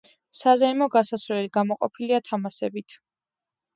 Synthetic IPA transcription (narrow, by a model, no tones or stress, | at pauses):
sazɛimɔɡasasvɾɛliɡamɔqʼɔ̰pʰiliat̪ʰamasɛbit̪ʰ